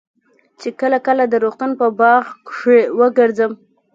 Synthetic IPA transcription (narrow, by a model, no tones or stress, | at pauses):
t͡ʃekəlakəlad̪əɾoxt̪unpəbɑɣkʂewəɡəɾd͡zəm